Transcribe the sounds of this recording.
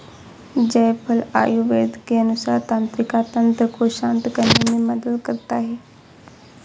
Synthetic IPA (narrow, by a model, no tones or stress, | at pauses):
d͡ʒɐjpʰɐla̰juʋeːd̪keənusaːɾt̪ãːnt̪ɾɪkat̪ə̃nt̪ɾəkoʃãːnt̪kənemẽməd̪əd̪kəɾt̪aɦɛ